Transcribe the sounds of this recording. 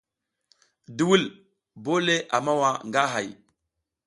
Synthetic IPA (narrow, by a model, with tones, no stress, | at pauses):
du˨wu˦l | bo˦le˦ʔa˨ma˦wa˦ŋɡa˦ɦa˨j